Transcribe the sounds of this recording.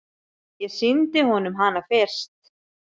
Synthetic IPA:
jɛsɪnt̪ɪhɔnʏmɦanafɪr̥st̪

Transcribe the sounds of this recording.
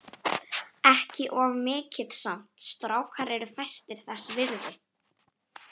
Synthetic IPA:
ɛhcɪʔɔvmɪːcɪðsam̥t̪st̪ɾaːwkʰaɾɛɾʏfajst̪ɪɾ̥θɛsːvɪɾðɪ

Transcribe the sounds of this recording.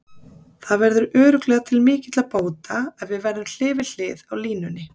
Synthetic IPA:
θaðvɛɾðʏɾœːɾʏklɛːɣat̪ʰɪlmɪːcɪt̪lapoːwt̪aɛðvɪðvɛɾðʏml̥ɪːvɪl̥ɪːðawliːnʏnːɪ

